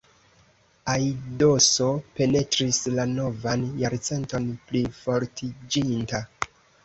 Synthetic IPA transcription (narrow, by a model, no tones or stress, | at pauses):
ajdo̞so̞pe̞ne̞tɾislano̞vanjaɾt͡se̞nto̞nplifo̞ɾtʰid͡ʒinta